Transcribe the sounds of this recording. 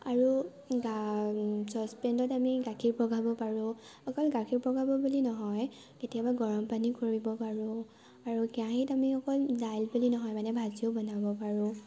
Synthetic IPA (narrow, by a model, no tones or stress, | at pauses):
aɹu | ɡa | sɔspɹɛndɔtamiɡakʰiɹpɹɔɡʱabɔpaɹʊ̃ | ɔkɔlɡakʰiɹpɹɔɡʱabɔbulinɔɦɔj | ketiabaɡɔɹɔmpanikoɹibɔpaɹʊ̃ | aɹukiãɦitamixɔkɔldajlbulinɔɦɔjmanɛbʱaziobɔnabɔpaɹʊ̃